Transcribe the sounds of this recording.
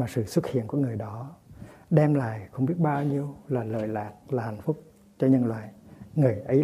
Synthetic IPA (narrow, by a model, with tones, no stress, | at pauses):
maː˨˩sɨ̰˧˨swə˦˥t̚hḭ˧˨nku˧˩əŋɨ˨˩əjɗɔ˨˦ɗɛ˧mla̰ː˧˨jxə˧wŋ͡mɓi˦˥ət̚ɓaː˧wɲi˧əwlaː˨˩lə̰ː˧˨jlaː˨˩t̚laː˨˩ha˨˩jŋ̟fʊ˦˥k͡p̚ | t͡ɕɔ˧ɲə˧nlwaː˧˨jŋɨ˨˩əjʔə˨˦